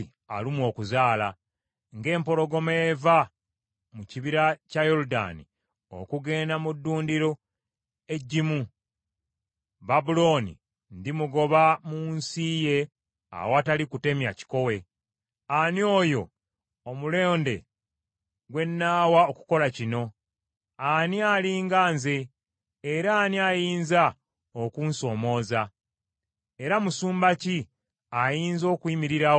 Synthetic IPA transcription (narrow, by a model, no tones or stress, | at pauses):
a̰limwo̞ːkuzaːla | ŋɡe̞ːmpo̞lo̞ɡo̞meːva | muciβiɾacajo̞luda̰nḭ | o̰kuɡe̞ːnamudːuːndiɾo̞ | e̞ɟːimu | babulo̞ːnḭ | ndimuɡo̞βamunsije̞ | a̰watalikute̞mjaci̥ko̞we̞ | anjo̞ːjo̞ː | mule̞ːnde̞̰ | ɡwe̞nːaːwaoku̥ko̞lacino̞ | anialiːŋɡaːnzeː | ɾaːniajiːnza | okunso̞ːmo̞ːza | e̞ɾamusuːmbaci | ajiːnzo̞ːkwiːmiɾiɾa